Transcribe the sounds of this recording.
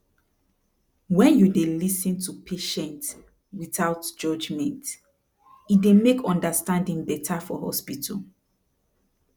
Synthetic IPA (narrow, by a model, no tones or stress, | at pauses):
wɛ̃njudelisĩntʰupʰeʃɛ̃nt | wiθaʊtd͡ʒɔd͡ʒmɛ̃nt | idemekʰɔ̃ndəstãndĩŋbɛtʰafɔhɔ̰spitʰɔ̰l